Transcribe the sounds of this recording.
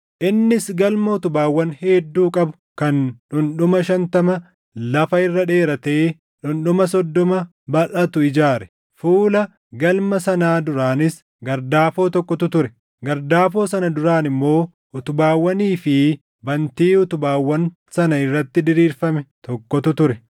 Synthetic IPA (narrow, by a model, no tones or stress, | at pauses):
ʔɪnːɪsɡɐlmɐʊt̪ʊbaːwːɐnheːd̪ːuːkʼɐbʊ̥ | kɐnᶑʊnɗʊmɐʃɐnt̪ɐmɐ | lɐfɐɪrːɐᶑe̞ːɾɐt̪eː | ᶑʊnɗʊmɐsɔd̪ːɔmɐ | bɐʔɐt̪ʊɪd͡ʒaːɾɛ̥ | fuːlɐ | ɡɐlmɐsɐnaːd̪ʊɾaːnɪs | ɡɐɾd̪aːfo̞ːt̪ɔkːɔt̪ʊt̪ʊɾɛ | ɡɐɾd̪aːfo̞ːsɐnɐd̪ʊɾaːnɪmːo̞ː | ʊt̪ʊbaːwːɐniːfɪ | bɐnt̪iːʊt̪ʊbaːwːɐn | sɐnɐɪrːɐt̪ːɪd̪ɪɾiːɾfɐmɛt̪ɔkːɔt̪ʊt̪ʊɾɛ